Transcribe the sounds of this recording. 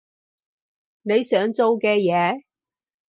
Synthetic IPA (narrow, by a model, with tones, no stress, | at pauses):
ne˨˧jsœː˨˥ŋt͡so˧wkɛː˧jɛː˨˧